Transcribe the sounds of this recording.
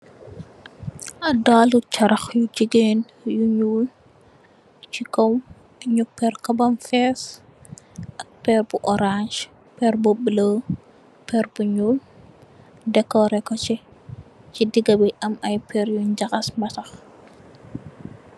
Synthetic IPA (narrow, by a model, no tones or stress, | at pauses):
ʔɐdaːlut͡ʃɐɾɐxjud͡ʒiɡeːn | juɲuːl | t͡ʃikɔw | ɲupːɛrkɐbɐmfɛs | ʔɐk̚pɛːrbuʔɔɾaʃ | pɛɾbubələː | pɛɾbuɲuːl | dɛkːɔɾɛkɔt͡ʃɛ | t͡ʃidiɡɐbiʔɐmɐjpʰɛɾjuɲd͡ʒɐxɐsmɐtɐx